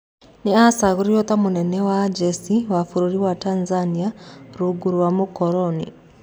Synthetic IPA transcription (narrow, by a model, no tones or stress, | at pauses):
niasaɣuɾijot̪amunɛnɛwad͡ʒesiwafuɾuɾiwatanzaniaɾuɡuɾwamukoɾɔnḭ